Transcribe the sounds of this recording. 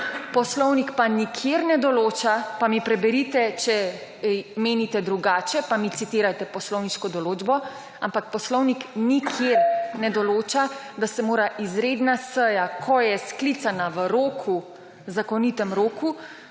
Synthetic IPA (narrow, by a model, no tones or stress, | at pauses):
pɔslɔwnikpanikʰjeɾnɛd̪ɔloːt͡ʃapamipɾɛbɛɾit̪ɛt͡ʃɛ | meːnit̪ɛd̪ɾuɡaːt͡ʃɛpamit̪sit̪iːɾajt̪ɛpɔslɔwniʃkɔd̪ɔloːd͡ʒbɔ | ampak̚pɔslɔwniknikʰjeɾnɛd̪ɔloːt͡ʃa | d̪asɛmoːɾaʔizɾeːd̪nasəjakʰɔjɛsklit̪sanaʋəɾoːkʰu | zakɔnit̪ɛmɾoːku